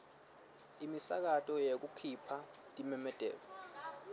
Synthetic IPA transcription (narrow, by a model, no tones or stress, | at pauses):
imisa̰k̬atʼɔjek̬ukʰipʰa | tʼimɛmɛd̥ʱɛ̰ːlɔ